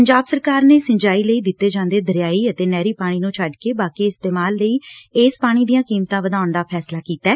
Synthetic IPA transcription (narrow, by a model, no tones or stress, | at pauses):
əɲd͡ʒaːbsəɾkaːɾneːsə̃ɲd͡ʒaːiːləiːd̪ɪt̪ːeːd͡ʒãːnd̪eːd̪əɾɪjaːiːət̪eːnɛːɾiːpaːɽ̃iːnũːt͡ʃʰəɖkeːbaːkiːɪst̪eːmaːlːəiːeːspaːɽ̃iːd̪ijãːkiːmt̪ãːʋəd̪aːʊɳd̪aːpʰɛːslaːkiːt̪aɛː